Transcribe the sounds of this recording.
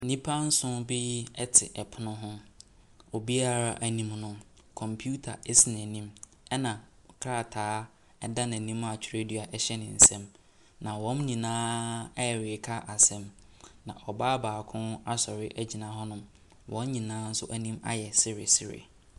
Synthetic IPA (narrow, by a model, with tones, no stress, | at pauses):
nĩ˦pʰa˦n̩˦sʊ̃˦bɪ˦ɛ˦tʰɪ̰˨ʔɛ˨pʰʊ˦nʊ̃˦ɦʊ̃˦ | o˨bi˦a˦ɾa˦ʔæ˨nĩ˦mnʊ̃˦ | kʰɔ̃˨mpʰu˦tʰa̰˨ɛ˦sɪ˨n˨æ̃˨nĩ˦m | ɛ˦nã˨ | kʰa˦˨tʰaː˦ | ɛ˦da˦nã˨nĩ˦m˦a˨t͡ɕᶣʰɾe˦di˦˨a˨ʔɛ˦ɕɛ˦nɪ̃˨n̩˨sɛ̃˦m | nã˨wɔ̃˦mnĩ˨nãː˦ɛ˦ɛ˨ɾɪ˨kʰa˦ʔa˨sɛ̃˦m | nã̰˨ʔɔ˨baː˦baː˨kʰʊ̃˦na˦sɔ˨ɾɪ˦ʔæ˦d͡ʑi˨nã˨˦ɦɔ˦nʊ̃˦m | wʔɔ̃˦nɲĩ˨nãː˨˦n̩˦sʊ˦ʔæ˦nĩ˦ma̰˦jɛ˨sɪ˦ɾɪ̰˨sɪ˦ɾɪ̰˨